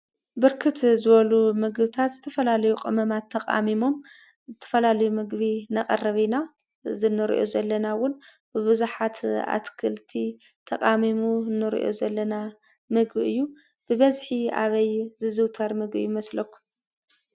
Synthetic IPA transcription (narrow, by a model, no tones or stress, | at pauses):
bɨɾkʰɨt̪zɨβɐlumɨɡbɨt̪ʰat̪zɨt̪ʰɐfɐlalɐjuqʼɨmɐmat̪ʰːɐqʼa̰mimo̞m | zɨt̪ʰɐ̥fɐlalɐjumɨɡβinɐkʼɐrɐβina | zɨnːɨɾḭʔo̞zɐlːɐnawʊn | bɨβɨzuħat̪a̰t̪kʰɨlt̪ʰi | t̪ʰɐkʼamimunːɨɾḭʔo̞̰zɐlːɐna | mɨɡbʔɨjːu | b̥ɨβɐzħia̰βɐjzɨzɨwt̪ʰɐɾmɨɡbḭjmɐslɐkʷːu̥